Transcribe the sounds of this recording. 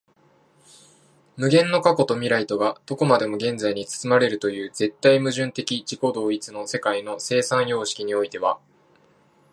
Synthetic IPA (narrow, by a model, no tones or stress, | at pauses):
mɯ̟ɡẽ̞nːo̞kako̞t̪o̞mʲiɾait̪o̞ɡad̪̥o̞ko̞mad̪e̞mo̞ɡẽ̞nd͡zaiɲ̟it͡sɨ̥t͡sɨmaɾe̞ɾɯ̟t̪o̞jɯ̟ːd͡ze̞t̪ːaimɯ̟ʑɨ̃nt̪e̞kʲit͡ɕiko̞d̪o̞ːit͡sɨno̞se̞kaino̞se̞ːsãɰ̃jo̞ːɕi̥kʲiɲ̟io̞it̪e̞β̞a